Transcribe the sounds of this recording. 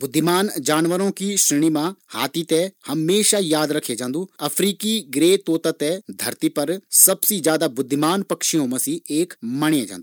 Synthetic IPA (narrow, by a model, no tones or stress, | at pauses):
bʊd̪ʱːɪmaːnd͡ʒaːnʋəɾõkiʃɾɪɽ̃imãhaːt̪it̪ehɐmːeːʃajaːd̪ɾɐkʰed͡ʒãːnd̪uːɐfʰɾiːkiɡɾeːt̪oːt̪at̪ɛd̪ʱɐɾt̪ipɐɾsɐbsid͡ʒjaːd̪abʊd̪ʱːɪmaːnpɐkʃiõmɐsieːkmɐɽ̃ẽd͡ʒã̰ːndu